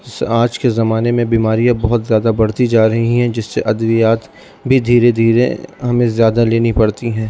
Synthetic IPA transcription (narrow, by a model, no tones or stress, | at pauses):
saːd͡ʒkezɐmaːnemẽbiːmaːɾijãbɐɦʊt̪zjaːd̪abɐɽ̤t̪id͡ʒaːɾɐɦiɦɛ̃d͡ʒɪsːeʔɐd̪ʋijaːt̪ | bʱid̪ʱiːɾed̪ʱiːɾḛɦɐmẽzjaːd̪aleːnipɐɽt̪iɦɛ̃ː